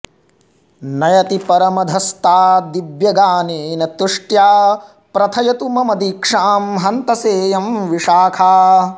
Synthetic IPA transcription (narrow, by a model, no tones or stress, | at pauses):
nɐjɐt̪ipɐɾɐmɐd̪ʱɐst̪aːd̪ibjɐɡaːneːnɐt̪uʂʈjaː | pɾɐt̪ʰɐjɐt̪umɐmɐd̪iːkʂaːmɦɐnt̪ɐseːjɐmʋiʂaːkʰaː